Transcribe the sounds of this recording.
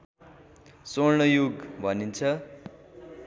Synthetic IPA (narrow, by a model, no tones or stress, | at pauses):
sornʌjuɡbʱʌnint͡sʰʌ